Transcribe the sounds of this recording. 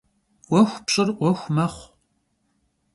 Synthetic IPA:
wʷɔxʷpɕʼɪrʔʷɔxʷmɐχʷ

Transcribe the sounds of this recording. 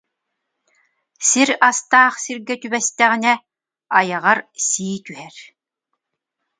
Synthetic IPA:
siɾast̪aːχsiɾɡɛt̪ybɛst̪ɛʁinɛ | ajɑʁaɾsiːt̪yɦɛɾ

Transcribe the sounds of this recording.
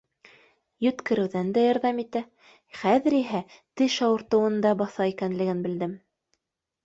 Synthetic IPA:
jɵ̆t̪kɘ̆ɾɘ̆wðænd̪æjɑɾðɑmit̪æ | χæðɘ̆ɾiɦæt̪ɘʃɑwɤ̆ɾt̪ɤ̆wɤ̆nd̪ɑbɑθɑikænlɘ̆ɡɘnbɘ̆ld̪ɘm

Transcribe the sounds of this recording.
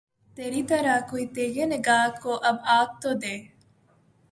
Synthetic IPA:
t̪eːɾiːt̪əɾakoːiːt̪eːɡenɪɡaːkoːʔɐbaːk̚t̪oːd̪eː

